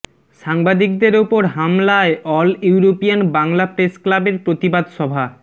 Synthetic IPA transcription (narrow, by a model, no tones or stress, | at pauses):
ʃaŋbad̪ikd̪eɾopoɾɦamlaeʔɔluuɾopijanbaŋlapɾesklabeɾpɾot̪ibad̪ʃɔbʱa